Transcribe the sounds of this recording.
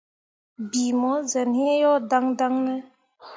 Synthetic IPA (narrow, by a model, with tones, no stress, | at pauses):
bi˨mɔ˨˦zɛ˨nhĩ˦jɔ˦da˦ŋda˦ŋnɛ˦